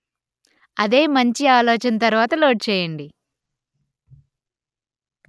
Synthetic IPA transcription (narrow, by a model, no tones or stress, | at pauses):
ɐd̪e̞ːmɐɲt͡ʃiaːloːt͡ʃɐnɐt̪ɐɾuʋaːt̪ɐlo̞ːʈ̚t͡ʃɛːjɐɳɖi